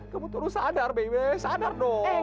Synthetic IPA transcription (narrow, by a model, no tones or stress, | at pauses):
kəbut̪uɾusadarbeiwesadardɔ